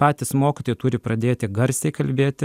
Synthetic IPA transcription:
pɑːt̪ʲɪsmoːkʲɪt̪oːjɪt̪ʊːɾʲɪpɾɐd̪ʲeːt̪ʲɪɡɐɾʲsʲɛɪkɐlʲbʲeːt̪ʲɪ

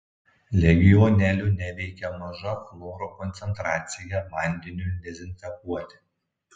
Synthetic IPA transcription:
lʲɛɡʲɪjɔnʲɛlʲʊnʲɛʋʲɛɪkʲɛmɐʒɐflˠoːɾokɔnʲt̪sʲɛnt̪ɾɑːt̪sʲɪjɛmɐnʲd̪ʲɪnʲud̪ʲɛzʲɪnʲt̪ʲɛpuɔt̪ʲɪ̥

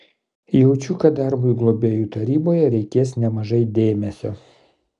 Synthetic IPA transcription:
jɛʊt͡ʃʲukɐd̪ɐɾbʊɪɡlˠobʲeːjuːt̪ɐɾʲiːboːjɛɾʲɛɪkʲeːsnʲɛmɐʒɐɪd̪ʲeːmʲɛsʲo̰ː

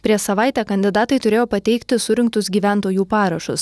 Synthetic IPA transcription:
pʲɾʲiɛʃsɐʋɑɪt̪ʲæːkɐnʲd̪ʲɪd̪ɑːt̪ɐɪt̪ʊɾʲeːjoːpɐt̪ʲɛɪkt̪ʲɪsʊɾʲɪŋk̚t̪ʊsɡʲiːʋʲæˑnt̪oːjuːpɑːɾɐʃʊs

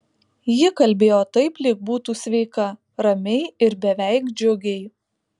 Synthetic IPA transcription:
jɪkɐlʲbʲeːjoːt̪ɐɪplʲɪk̚buːt̪uːsʲʋʲɛɪkɐ | ɾɐmʲɛɪɪɾbʲɛʋʲæɪkd͡ʒʲʊɡʲɛɪ

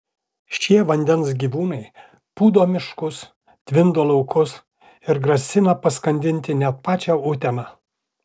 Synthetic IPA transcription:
ʃʲiɛʋɐnʲd̪ʲɛnsɡʲiːʋuːnɐɪ | puːd̪oːmʲɪʃkʊs | t̪ʲʋʲɪnd̪oːlˠɐʊkʊs | ɪɾɡɾɐsʲɪnɐpɐskɐnʲd̪ʲɪnʲt̪ʲɪnʲɛt̪̚pɑːt͡ʃʲæːʊt̪ʲɛnɑː

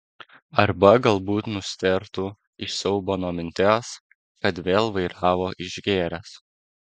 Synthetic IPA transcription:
ɐɾbɐɡɐlˠbuːt̪nʊsʲt̪ʲɛɾt̪u | ɪʃsʲɛʊbonoːmʲɪnʲt̪ʲæːs | kɐt̪ʋʲeːlˠʋɐɪɾɑːʋoːʔɪʒɡʲeːɾʲɛs

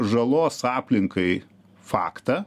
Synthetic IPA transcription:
ʒɐlˠoːsɑːpʲlʲɪŋkɐɪ | fɑ̰ːkt̪ɐ

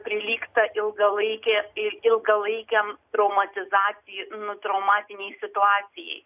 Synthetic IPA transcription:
pʲɾʲɪlʲiːkt̪ɐʔɪlˠɡɐlˠɐɪkʲɛɪɪlˠɡɐlˠɐɪkʲɛmt̪ɾɐʊmɐt̪ʲɪzɑːt̪sʲɪjnʊt̪ɾɐʊmɑːt̪ʲɪnʲɛɪsʲɪt̪ʊɑːt̪sʲɪjɛ̰ɪ

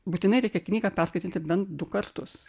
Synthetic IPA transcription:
buːt̪ʲɪnɐɪɾʲɛɪkʲɛknʲiːɡɐpʲærskɐɪt̪ʲinʲt̪ʲɪbʲɛnt̪̚d̪ʊkɐɾt̪ʊs

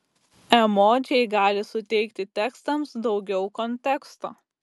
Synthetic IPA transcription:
ɛmoːt̪ʲɪjɛɪɡɑːlʲɪsʊt̪ʲɛɪkt̪ʲɪt̪ʲɛkst̪ɐmsd̪ɒʊɡʲɛʊkɔnʲt̪ʲɛkst̪o̰ː

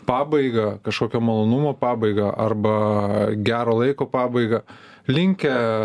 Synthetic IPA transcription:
pɑːbɐɪɡɐkɐʃkoːkʲɛmolˠoːnʊmoːpɑːbɐɪɡɐʔɐrbɐɡʲæːɾoːlˠɐɪkoːpɑːbɐɪɡɐ | lʲɪŋʲkʲɛ

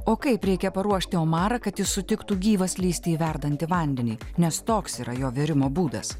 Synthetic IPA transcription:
oːkɐɪpɾʲɛɪkʲɛpɐɾuɔʃʲt̪ʲɪoːmɑːɾɐkɐt̪jɪsːʊt̪ʲɪkt̪uːɡʲiːʋɐslʲiːsʲt̪ʲeiʋʲæɾd̪ɐnʲt̪ʲɪʋɐˑnʲd̪ʲɛnʲiːnʲɛst̪oːksiːɾɐjoːʋʲɪɾʲɪmoːbuːd̪ɐ̰s

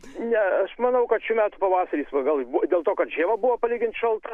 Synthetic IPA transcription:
nʲɛɐʃmɐnɐʊkɐt̪ʃʲuːmʲæːt̪ʊpɐʋɑːsɐɾʲiːsʋɐɡɐlˠbud̪ʲeːlˠt̪oːkɐt̪ʒʲeːʋɐbuʋɐpɐlʲiːɡʲɪnt̪ʃɐlˠt̪ɐ

